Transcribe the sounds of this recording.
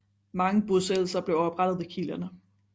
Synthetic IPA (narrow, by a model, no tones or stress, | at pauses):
mɑ̈ŋəb̥osell̩sɐb̥le̝ʊɒ̽b̥ʁad̥ð̞̩ˠikʰilɐnə